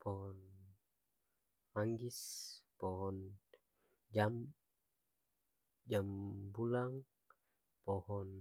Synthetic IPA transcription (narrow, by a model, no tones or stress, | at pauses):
pɔɦɔn | maŋɡispɔɦɔn | d͡ʒam | d͡ʒambulaŋ | pɔhɔn